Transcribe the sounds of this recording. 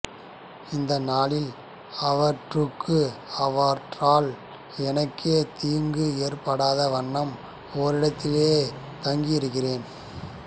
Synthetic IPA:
ɪnd̪ɐnaːlɪl | ɐʋɐɾʈrɯkːɯɐʋɐʈraːl | ɛnɐkːeːt̪iːŋɡɯeːrpɐɽaːðɐʋɐɳːɐm | oːɾɪɽɐt̪ːɪleː | t̪ɐŋɡijɪɾɯkːɪreːn

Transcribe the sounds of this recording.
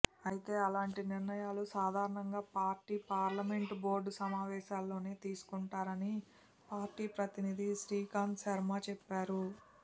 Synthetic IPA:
ɐjit̪e̞ːɐlaːɳʈiniɾnɐjaːlusaːd̪ʱaːɾɐɳɐŋɡaːpaːɾʈiːpaːɾlɐme̞ɳʈbo̞ːɾɖsɐmaːʋɛːʃaːlːo̞ːneːt̪iːsu̥kuɳʈaːɾɐni | paːɾʈiːpɾɐt̪inid̪iʃɾiːkaːnsɐɾmaːt͡ʃɛpːaːɾu

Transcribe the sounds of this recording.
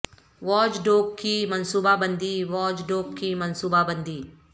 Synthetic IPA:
ʋɔːd͡ʒɖoːk̚kimɐnsuːbabə̃nd̪iʋɔːd͡ʒɖoːkkimɐnsuːbabə̃nd̪iː

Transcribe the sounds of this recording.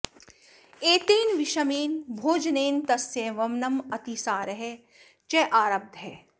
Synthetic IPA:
eːt̪eːnʋiʃɐmiːnbʱoːd͡ʒneːnt̪ɐsjẽʋɐmnɐmɐt̪iːsaːɾɐɦe | t͡ʃɛʔaːɾɐb̚d̪ʱɦɛː

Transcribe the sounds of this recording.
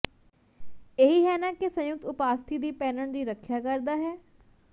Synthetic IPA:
eɦiɦɛːnakesə̃jʊk̚t̪ʊpaːst̪ʰiːd̪iːpɛːnəɳ̃d̪iːɾəkʰjaːkəɾd̪aːɦɛː

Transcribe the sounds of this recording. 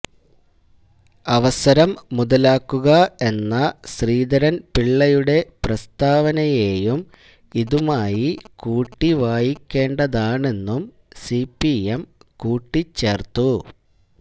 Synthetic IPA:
ɐʋɐsɐɾɐmːuðɐlaːkːuɣɐe̞nːɐɕriːd̪ɐɾɐnpiɭːɐjuɽe̞prɐst̪aːʋɐnɐjeːjum | iðumaːjikuːʈːiʋaːjikʲːe̞ːɳɖɐðaːɳe̞nːum | sipːiemkuːʈːit͡ɕːe̞ːrt̪ːu

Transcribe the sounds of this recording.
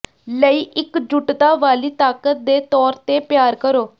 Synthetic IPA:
ləiːʔɪkd͡ʒʊʈt̪aːʋaːliːt̪aːkət̪̚d̪eːt̪ɔːɾt̪eːpjaːɾkəɾoː

